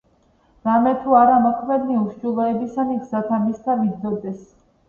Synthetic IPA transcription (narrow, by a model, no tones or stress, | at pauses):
ɾamɛt̪ʰuaɾamɔkʰmɛd̪niuʃd͡ʒulˠɔɛbisanikzat̪ʰamist̪ʰavid̪ɔd̪ɛs